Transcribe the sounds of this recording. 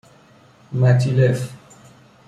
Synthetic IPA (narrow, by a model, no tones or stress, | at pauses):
matilɛf